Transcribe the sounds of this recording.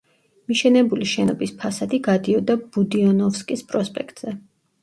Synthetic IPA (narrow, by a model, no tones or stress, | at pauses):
miʃɛnɛbuliʃɛnɔbispʰasad̪iɡad̪iɔd̪ab̥ud̪iɔnɔfskʼispʼɾɔspʼɛk̚ʰt̪ʼz̥ɛ